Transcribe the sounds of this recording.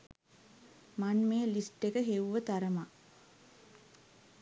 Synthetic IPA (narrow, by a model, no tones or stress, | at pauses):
manmeːəlisʈːekəɦeʋuʋət̪aɾəma